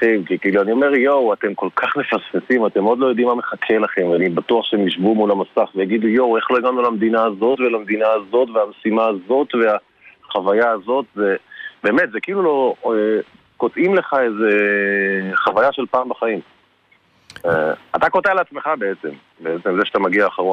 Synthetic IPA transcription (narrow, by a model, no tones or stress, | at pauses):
temkikiːluanio̞me̞ʁjowate̞mko̞lkʰaχme̞fasfesimat̪emo̞d̪lo̞jo̞d̪imːameχakʰe̞laχe̞mveanibat̪uaχʃeemjiʃbumulamasaχvejaɡid̪ujo̞we̞χlo̞iɡamnulamd̪inaːzo̞tvelamed̪inaazo̞tveamesimaːzo̞t̪vea | χavajaːzo̞t̪ze̞be̞ːmet̪zekiiːlulo̞e | ko̞t̪imleχaeze | χavajaʃelpaːmbaχaim | eat̪ako̞tealeat͡sme̞χabe̞et͡se̞m | beet͡semzeʃat̪amaɡiaːχaʁon